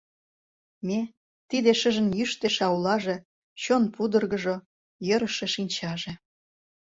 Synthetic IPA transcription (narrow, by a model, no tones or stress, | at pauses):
me | t̪id̪eʃəʒə̆njyʃt̪eʃɑulɑʒe | t͡ɕonpud̪ə̆rɣə̆ʒo | jə̆ɾə̆ʃeʃinʲt͡ɕɑʒe